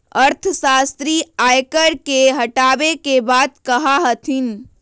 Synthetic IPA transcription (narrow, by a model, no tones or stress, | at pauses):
əɾt̪ʰəsast̪ɾiajkəɾkeɦəʈabekebad̪kəɦaɦət̪ʰin